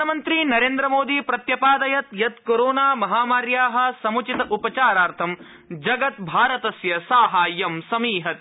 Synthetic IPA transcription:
ɐmɐnt̪ɾinɐɾeːnd̪ɾɐmoːd̪iːpɾɐt̪jɐpaːd̪ɐjɐt̪jɐt̪koːɾoːnaːmɐɦaːmaːɾjaːɦɐ̆sɐmut͡ʃit̪ɐʔupɐt͡ʃaːɾaːɾt̪ʰɐm | d͡ʒɐɡɐt̪bʱaːɾɐt̪ɐsjɐsaːɦaːjɐmsɐmiːɦɐt̪

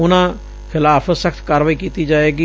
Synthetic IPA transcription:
ʊnãː | kʰɪlaːpʰsəkʰt̪ʰkaːɾʋaːiːkiːt̪iːd͡ʒaːeːɡiː

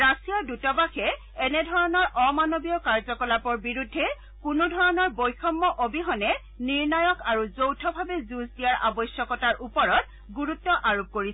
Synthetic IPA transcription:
ɹasijaɹdutɔbaxɛ | ɛnɛdʱɔɹɔnɔɹʔɔmanobiɔkaɹzɔkɔlapɔɹbiɹudʱːɛ | kunudʱɔɹɔnɔɹbojxʰɔmːɔʔobiɦɔnɛ | niɹnajɔkaɹuzowtʰɔbʱabɛzuzdijaɹʔa̰bɔjsjɔkɔtaɹʔupɔɹɔt̚ | ɡuɹutːɔʔaɹob̚koɹisɛ

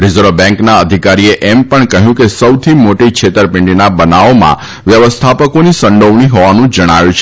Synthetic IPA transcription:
ɾɪzəɾʋbɛ̃ŋknaəd̪ʱikaɾieʔempəɳkəɦjũkesəwt̪ʰimoʈikʃʰet̪əɾpɪ̃ɳɖinabənaomã̰ | ʋjəʋəst̪ʰapəkonisə̃ɳɖʱoʋɳ̃iɦoʋanũd͡ʒəɽ̃aʋjũt͡ʃʰe

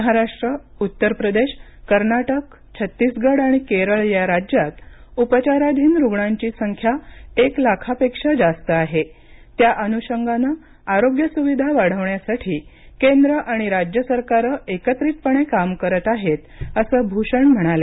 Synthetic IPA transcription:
əɦaɾaʂʈɾə | ut̪ːəɾpɾəd̪eɕ | kəɾnaʈək | t͡ɕʰət̪ːisɡəɽaɽ̃ikeɾəɭjaɾad͡ʑjat̪upət͡ɕaɾad̪ʱiːnɾuɡɳãɲt͡ɕiːsəŋkʰjaeklakʰapekʂəd͡zast̪əaɦe | t̪jaʔənuɕəŋɡanə | aɾoɡjəsuʋid̪ʱaʋaɽ̤əʋɳjasaʈʰiːkend̪ɾəʔaɽ̃iɾad͡ʑjəsəɾkaɾəʔekət̪ɾit̪̚pəɳ̃ekamkəɾət̪aɦet̪əsəːbʱuɕəɳm̤əɽ̃ale

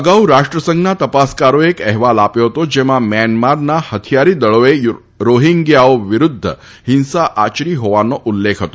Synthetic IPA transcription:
əɡauɾaʃʈɾəsə̃ŋɡnat̪əpaskaɾoekɛɦʋalapjoɦət̪od͡ʒemãmɛnmaɾnahət̪ʰijaɾid̪əɭoe | ɾoɦiŋɡjaoʋɪɾʊd̪ʱːə̰ | hɪnsaʔat͡ʃɾiɦoʋanoʔulːekʰɦət̪o

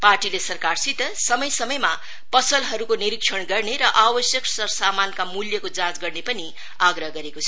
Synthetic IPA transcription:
parʈilesʌrkarsit̪ʌsʌmʌjsʌmʌjma | pʌsʌlɦʌɾukoniɾikʂʰʌɳɡʌrneɾʌʔabʌsjʌksʌsamankamuljʌkod͡zãd͡zɡʌrnepʌni | aɡɾʌɦʌɡʌɾekot͡sʰʌ

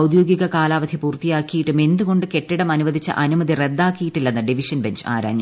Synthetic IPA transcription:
wd̪jo̞ːɡiɣɐkaːlaːʋɐd̪ʱipuːrt̪ijaːkːijiʈːume̞nd̪uɣo̞ɳɖɨke̞ʈːiɽɐmɐnuʋɐd̪ʱit͡ɕːɐ̰ʔɐnumɐd̪ʱire̞d̪ːaːkːijiʈːilːenːɐɖiʋiʂɐnbe̞ɲd͡ʑa̰ːɾa̰ːɲjɐ

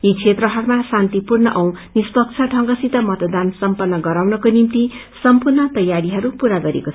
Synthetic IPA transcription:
jikʰet̪rʌɦʌɾumasant̪ipurnʌʔʌw̃nispʌk̚t͡sʰʌʈʰʌŋɡʌsit̪ʌmʌt̪d̪ansʌmpʌnːʌɡʌɾawnʌkonimt̪i | sʌmpurnʌt̪ʌjaɾiɦʌɾupuɾaɡʌɾḛkot͡sʰ

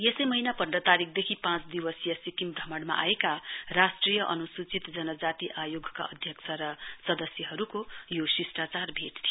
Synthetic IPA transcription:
jesʌjmʌɦinapʌnɖʌt̪aɾikʰd̪ekʰipãt͡sd̪iwʌsjʌsikimbɾʱʌmʌɽma̰ʔa̰ekarasʈrijʌʔʌnusut͡sit̪d͡zʌnʌd͡zat̪iʔajoɡʱka̰ʌ̰d̪ʱjʌksʰʌɾʌsʌd̪ʌsjʌɦʌɾukojosisʈat͡sarbʱeʈt̪ʰio

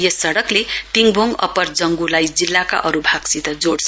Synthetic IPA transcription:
jesːʌɽʌklet̪iŋbʱoŋʌ̰pʌrd͡zʌŋɡulajd͡zilːaka̰ʔʌɾubʱaɡsit̪ʌd͡zoɽsʰ

